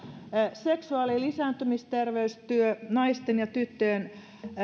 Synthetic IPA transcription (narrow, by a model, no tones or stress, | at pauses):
seksuɑlilisæːnt̪ymist̪erʋeyst̪yønɑist̪enjɑt̪yt̪ːøːn